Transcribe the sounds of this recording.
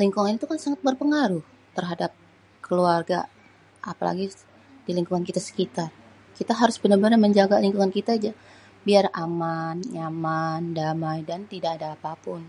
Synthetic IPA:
liŋkuŋanit̪ukansaŋat̪̚bərpəŋaɾʊh | t̪ərɦadap̚ | kəluarɡa̰ | ʔa̰pa̰la̰ɡi | diliŋkuŋankit̪asə̥kit̪ar | kit̪aɦaɾʊsbənarbənarməɲd͡ʒaɡaliŋkuŋankit̪ad͡ʒa | biaramanjamandamajdant̪idaːdaːpapʊn

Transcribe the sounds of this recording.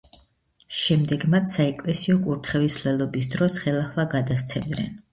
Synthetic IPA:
ʃɛmd̪ɛɡmat̪sʰsaɛkʼlɛsiɔkʼuɾt̪ʰχɛvislɛlˠɔbisd̪ɾɔsχɛlˠaχlˠaɡad̪ast̪sʰɛmd̪nɛ̰n

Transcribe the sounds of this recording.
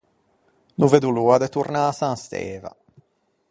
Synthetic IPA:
nuved̪uluːad̪ɛt̪uɾnaːsaːst̪ɛ̰ːva̰

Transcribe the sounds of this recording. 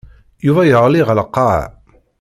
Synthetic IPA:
juvæjəʁˤliʁəlqːɑ

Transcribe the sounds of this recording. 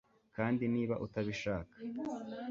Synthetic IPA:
kaːndiniːβaʔutaβiʃaːkḁ

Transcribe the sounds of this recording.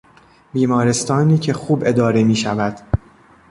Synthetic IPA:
biːmɒːɾe̞st̪ʰɒːniːcʰe̞xuːbe̞d̪ɒːɾemiːʃævæd̪̥

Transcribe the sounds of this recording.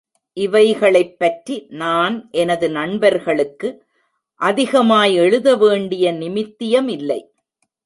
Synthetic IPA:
ʔɪʋɐɪɣɐɭɐɪpːɐʈrinaːnʔɛnɐðɯnɐɳbɐɾɣɐɭɯkːɯ | ʔɐðɪɣɐmaːjɛɻɯðɐʋeːɳɖɪjɐnɪmɪt̪ːɪjɐmɪlːɐɪ

